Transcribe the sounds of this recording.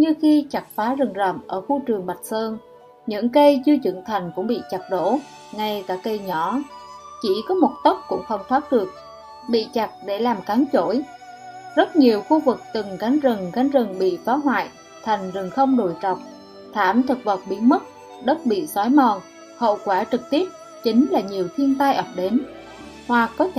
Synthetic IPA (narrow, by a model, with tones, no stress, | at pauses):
ɲɨ˧xi˧t͡ɕa˨˩k̚faː˨˦zə˨˩ŋzə̰˧˨˩mʔəː˧˩xu˧t͡ɕɨ˨˩əŋɓa˨˩t̚səː˧n | ɲɨ̰˧˥ŋkə˧jt͡ɕɨ˧ət͡ɕɨ̰˧˩əŋt̪ʰa˨˩jŋ̟kʊ̰˧˥ŋ͡mɓḭ˧˨t͡ɕa˨˩t̚ɗo̰˧˥ | ŋa˧jkaː˧˩kə˧jɲɔ˧˩t͡ɕi˧˩kɔ˨˦mo˨˩t̚t̪ə˦˥wk͡p̚kʊ̰˧˥ŋ͡mxə˧wŋ͡mfaː˦˥t̚ɗɨ˨˩ək̚ | ɓḭ˧˨t͡ɕa˨˩t̚ɗe˧˩laː˨˩mka˨˦ŋt͡ɕo˧˩j | zə˦˥t̚ɲi˨˩əwxu˧vɨ˨˩k̚t̪ɨ˨˩ŋɣa˨˦ŋzɨ˨˩ŋɣa˨˦ŋ̟zɨ˨˩ŋɓḭ˧˨fɔ˨˦ɦwa̰ː˧˨j | t̪ʰa˨˩jŋ̟zɨ˨˩ŋxə˧wŋ͡mɗo˧˩jt͡ɕɔ˨˩wk͡p̚ | t̪ʰaː˧˩mt̪ʰɨ˨˩k̚və˨˩k͡p̚ɓi˨˦ənmə˦˥t̚ | ɗə˦˥t̚ɓḭ˧˨sɔ˨˦jmɔ˨˩n | hə̰˧˨wkwaː˧˩t͡ɕɨ˨˩k̚t̪i˦˥əp̚ | t͡ɕï˨˦ŋ̟laː˨˩ɲi˨˩əwt̪ʰi˧ənt̪aː˧jʔə˨˩wk͡p̚ɗe˨˦n | hwa˨˩kːɔ˨˦t̪ʰ